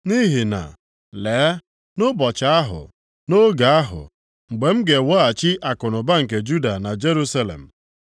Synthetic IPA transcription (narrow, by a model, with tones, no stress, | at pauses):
ni˦ɦi˨na̰˨ | leː˨˦ | nʊ˦bɔ˨t͡ʃa˦a˦ɦʊ̰˨ | no˦ɡa˨a˦ɦʊ̰˨ | ŋ͡m̩˨ɡ͡be˨m̩˦ɡe˨wɔ˦a˨t͡ʃɪ˦ʔa˨kʊ˨nʊ˨ba˦ŋ̩˨k̬e˨d͡ʒu˦da˨na˨d͡ʒe˦ɾu˦sa˦lḛ˨m̩˨